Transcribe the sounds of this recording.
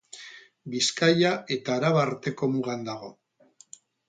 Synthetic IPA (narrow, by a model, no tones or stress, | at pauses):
biskajae̞t̪aːɾaβaːɾt̪e̞ko̞muɣand̪aɣ̞o̞